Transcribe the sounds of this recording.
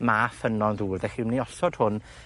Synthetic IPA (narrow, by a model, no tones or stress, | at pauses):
mafənɔnðuːrðɛχimniɔsɔd̥hʊn